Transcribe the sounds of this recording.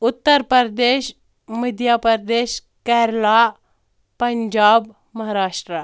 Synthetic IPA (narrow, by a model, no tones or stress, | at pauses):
ut̪ːəɾpəɾd̪eɕ | məd̪ʱjapəɾd̪eːɕ | kɛɾla | pəɲd͡ʑab | mɐɦaɾaːʂʈɾə